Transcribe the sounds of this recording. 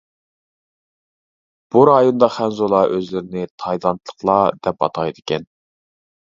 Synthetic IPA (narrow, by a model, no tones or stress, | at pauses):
b̥uɾɑjond̪ɑχænzolˠɑʔøzlɪɾɪnɪt̪ʰɑjd̪ɑnt̪ʰlˠə̥χlˠɑd̪̥ɛpɑ̰t̪ʰɑjd̪ɨkʲɛn